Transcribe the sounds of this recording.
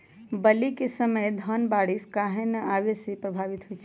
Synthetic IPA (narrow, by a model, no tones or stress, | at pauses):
bəlikesəməjd̪ʱənbaɽiskaɦenəʔaʋesepɾəbʱaʋit̪ɦojt͡ʃʰ